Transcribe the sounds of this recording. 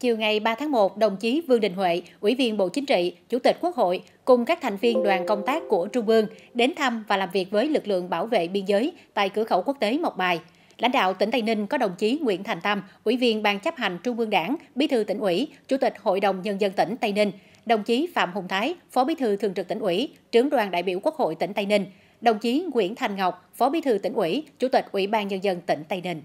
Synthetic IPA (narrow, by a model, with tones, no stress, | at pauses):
t͡ɕi˨˩əwŋa˨˩jɓaː˧t̪ʰaː˨˦ŋmo˨˩t̚ɗə˨˩wŋ͡mt͡ɕi˨˦vɨ˧əŋɗï˨˩ŋ̟hwḛ˧˨ʔwḭ˧˩vi˧ənɓo̰˧˨t͡ɕï˨˦ŋ̟t͡ɕḭ˧˨t͡ɕu˧˩t̪i˨˩k̟̚ku˦˥ək̚ho̰˧˨j | kʊ˨˩ŋ͡mkaː˦˥k̚t̪ʰa˨˩jŋ̟vi˧ənɗwaː˨˩nkə˧wŋ͡mt̪aː˦˥kːu˧˩ət͡ɕʊ˧ŋ͡mʔɨ˧əŋɗe˨˦nt̪ʰa˧mvaː˨˩laː˨˩mvi˨˩ək̚vəː˨˦jlɨ˨˩k̚lɨ̰˧˨əŋɓaː˧˩wvḛ˧˨ɓi˧ənzəː˨˦jt̪a̰ː˧˨jkɨ˧˩əxə˧˩wku˦˥ək̚t̪e˨˦mə˨˩k͡p̚ɓaː˨˩j | la̰˧˥jŋ̟ɗa̰ː˧˨wt̪ï˧˩ŋ̟t̪a˧jni˧ŋ̟kɔ˨˦ɗə˨˩wŋ͡mt͡ɕi˨˦ŋwḭ˧˥ənt̪ʰa˨˩jŋ̟t̪ə˧mʔwḭ˧˩vi˧ənɓaː˧ŋt͡ɕa˦˥p̚ha˨˩jŋ̟t͡ɕʊ˧ŋ͡mɨ˧əŋɗaː˧˩ŋɓi˨˦t̪ʰɨ˧t̪ï˧˩ŋ̟ʔwḭ˧˥t͡ɕu˧˩t̪ï˨˩k̟̚ho̰˧˨jɗə˨˩wŋ͡mɲə˧nzə˧nt̪i˧˩ŋ̟t̪a˧jnï˧ŋ̟ | ɗə˨˩wŋ͡mt͡ɕi˨˦fa̰ː˧˨mhʊ˨˩wŋ͡mt̪ʰaː˨˦jfɔ˨˦ɓi˨˦t̪ʰɨ˧t̪ʰɨ˨˩əŋt͡ɕɨ˨˩t̪i˧˩ŋ̟ʔwḭ˧˥ | t͡ɕɨ˨˦əŋɗwaː˨˩nɗa̰ː˧˨jɓḭ˧˩əwku˦˥ək̚ho̰˧˨jt̪ï˧˩ŋ̟t̪a˧jnï˧ŋ̟ | ɗə˨˩wŋ͡mt͡ɕi˨˦ŋwḭ˧˥ənt̪ʰa˨˩jŋ̟ŋə˨˩wk͡p̚fɔ˨˦ɓi˨˦t̪ʰɨ˧t̪ï˧˩ŋ̟ʔwḭ˧˩t͡ɕu˧˥t̪ï˨˩k̟̚ʔwḭ˧˩ɓaː˧nɲə˧nzə˧nt̪ï˧˩ŋ̟t̪a˧jni˧ŋ̟